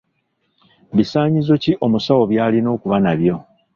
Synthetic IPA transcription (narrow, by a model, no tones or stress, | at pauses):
βisaːɲizo̞ciʔo̞musawo̞βjaːlino̞ːkuβanaβjo̞